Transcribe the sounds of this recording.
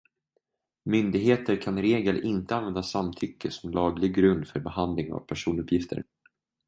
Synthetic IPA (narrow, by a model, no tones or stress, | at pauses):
mʏnd̪ɪɡɦeːt̪əɾkʰanɾeːɡəlʔɪnt̪əanvɛnd̪asamt̪ʰʏkːəsɔmlɑːɡlɪɡɾɵnd̪fœɾbɛhand̪lɪŋa̰vpʰæʂuːnɵpʰːjɪft̪ʰə̰ɾ